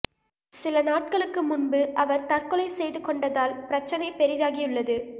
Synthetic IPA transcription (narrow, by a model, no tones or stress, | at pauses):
sɪlɐnaːʈ̚kɐɭɯkːɯmʊnbɯʔɐʋɐɾt̪ɐrkɯlɐɪsɛjðɯkɔɳɖɐðaːlpɪɾɐt͡ʃːɐnɐɪpɛɾɪðaːɣɪjɯɭːɐðɯ